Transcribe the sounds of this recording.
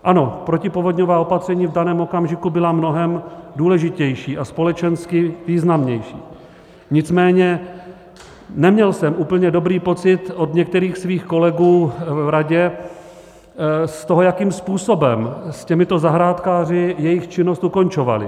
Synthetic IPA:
ʔano̞pɾo̞cɪpo̞vo̞d̪ɲovaːo̞pat̪r̝̥ɛɲiːvdanɛːmo̞kamʒɪkubɪlamno̞ɦɛmduːlɛʒɪcɛjʃiːʔaspo̞lɛt͡ʃɛnskɪviːznamɲɛjʃḭː | ɲɪt͡smɛːɲɛ | nɛmɲɛlsɛmʔuːpl̩ɲɛdo̞bɾiːpo̞t͡sɪt̪o̞d̪ɲɛkt̪ɛɾiːxsviːxko̞lɛɡuːvɾaɟɛ | st̪oɦojakiːmspuːso̞bɛmscɛmɪt̪o̞zaɦɾaːt̪kaːr̝ɪjɛjɪxt͡ʃɪno̞st̪uko̞nt͡ʃo̞va̰lɪ̰

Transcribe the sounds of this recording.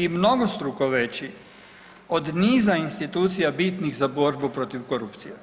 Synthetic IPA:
imno̞ɡost̪ɾukoʋet͡ɕi | od̪niːzainst̪it̪uːt̪sijabit̪nixzabo̞ɾbupɾo̞t̪iʋkoɾupt̪sije

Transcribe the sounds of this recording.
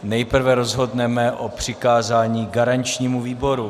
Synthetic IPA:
nɛjpr̩vɛɾo̞zɦo̞dnɛmɛʔopr̝̥ɪkaːzaːɲiːɡaɾant͡ʃɲiːmuviːbo̞ɾu

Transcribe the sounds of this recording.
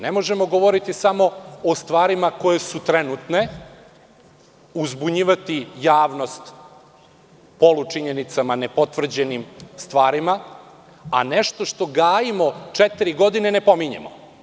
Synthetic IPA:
nemo̞ʒemo̞ɡo̞ʋoɾit̪isamo̞ost̪ʋaːɾimako̞jesut̪ɾenut̪ne̞ | uzbuɲiːʋat̪ijaːʋno̞st̪ | po̞lut͡ʃiɲenit̪samane̞po̞t̪ʋr̩d͡ʑe̞nimst̪ʋaːɾima | ane̞ʃt̪oʃt̪o̞ɡaːjimo̞t͡ʃɛt̪iɾiɡo̞d̪ine̞ne̞po̞miɲḛmo

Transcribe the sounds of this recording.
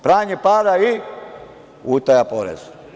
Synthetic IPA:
pɾaːɲepaːɾai | uːt̪ajapoɾḛz̥

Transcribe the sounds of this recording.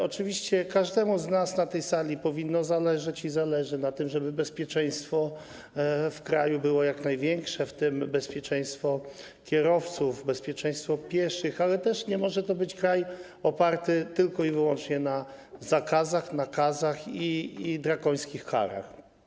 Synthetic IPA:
ɔt͡ʂɘvʲiɕt͡ɕɛkaʐd̪ɛmuznasnat̪ɛjsalʲipɔvʲinːɔzalɛʐat͡ɕizalɛʐɘnat̪ɘmʐɛbɘbɛspʲjɛt͡ʂɛj̃st̪fɔ | fkɾajubɘwɔjaknajvʲjɛŋkʂɛft̪ɘmbɛspʲjɛt͡ʂɛ̃j̃st̪fɔ | kʲjɛɾɔft̪sufbɛspʲjɛt͡ʂɛ̃j̃st̪fɔpʲjɛʂɘxalɛt̪ɛʂɲɛmɔʐɛt̪ɔbɘt͡ɕkɾaj | ɔpaɾt̪ɘt̪ɘlkɔivɘwɔnt͡ʂɲɛnazakazaxnakazaxiːd̪ɾaɡɔj̃skʲixka̰ɾa̰x

